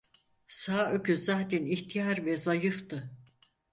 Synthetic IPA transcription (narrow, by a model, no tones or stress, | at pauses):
saːøcyzaːt̪ʰɛniçt̪ʰijaɾvɛzajɯft̪ɯ